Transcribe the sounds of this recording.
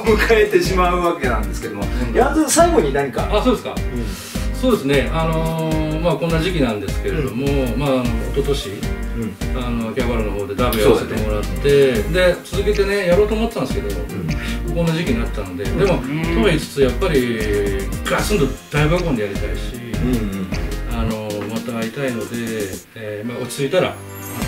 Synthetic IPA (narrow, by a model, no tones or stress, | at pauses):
mɯ̟kʰaet̪e̞ɕimaɯ̟βake̞nãnd̪esɨ̥ked̪omojaazɨsaiɡo̞ɲ̟inaɲ̟ikaasoːd̪e̞sɨ̥ka̰ | soːd̪e̞sɨne̞ano̞makõ̞nːaʑikʲinãnd̪e̞sɨ̥ke̞ɾed̪o̞mo̞maːnoːt̪o̞t̪o̞ɕi | ano̞akʲeaβaɾɯ̟no̞ɦo̞ːd̪e̞d̪aibɯ̟jaβase̞t̪e̞mo̞ɾat̪ːe̞d̪e̞t͡sɨzɨke̞t̪e̞nejaɾo̞ːt̪o̞ːmo̞t̪eːãnd̪sɨke̞d̪o̞mo̞kõ̞nːaʑikʲiɲ̟inat̪ːano̞d̪e̞d̪e̞mo̞t̪o̞it͡sɨ̥t͡sɨjapːaɾʲi | ɡasɨ̃nd̪o̞d̪̥aibakõ̞nd̪ejaɾʲit̪aiɕi | ano̞mat̪ait̪aino̞d̪e̞ | mao̞t͡ɕi̥t͡sɨit̪aɾa̰